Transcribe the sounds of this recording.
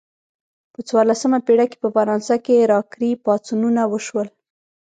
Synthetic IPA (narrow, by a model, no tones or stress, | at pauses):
pət͡swɑɾlasəmapeɽake̥pəfaɾɑnsakeɾɑkɾipɑt͡sununawəʃwəl